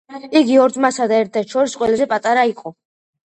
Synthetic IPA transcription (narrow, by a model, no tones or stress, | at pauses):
iɡiɔɾd̪masad̪aɛɾt̪ʰːɛɾt̪ʃɔɾisqʼwɛlazɛpʼat̪ʼaɾaiqʼɔ